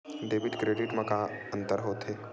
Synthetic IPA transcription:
ɖeːʋɪʈkɾeːɖɪʈmɐ̃kaə̃nt̪əɾɦoːt̪ɦeː

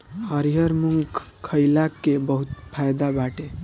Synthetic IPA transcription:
əɾijəɾmuŋɡkʰəjlakebəɦut̪pʰajd̪abaʈe

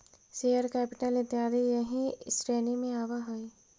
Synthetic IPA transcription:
seːəɾkɛːpɪʈəlɪt̪jaːɾejəɦĩsɾeːnimẽaːʋaɦoi

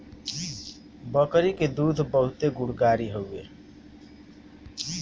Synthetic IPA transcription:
bəkɾiked̪uːd̪ʱbəɦʊt̪eɡʊɽɡaːɾiɦoḛː

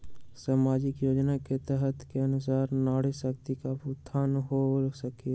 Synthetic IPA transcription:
saːmaːd͡ʒɪkjoːd͡ʒnaket̪ɛɦɛt̪keənʊsaːɾnaːɽesək̚t̪ikapʊt̪ʰːaːnɦosəki

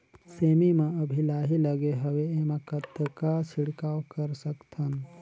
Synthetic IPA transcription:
seːmimẽəbʱilaːɦiləɡeɦəʋeemẽkət̪ːəkat͡ʃʰiɽkawkəɾsəkt̪ʰən

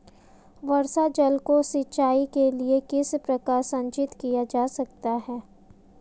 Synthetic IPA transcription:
ʋɐɾsad͡ʒɐlkosɪtːʃaːikeliekɪspɾɐkaːɾsɐ̃ɲt͡ʃɪt̪kijad͡ʒaːsɐk̚t̪aɦɛː

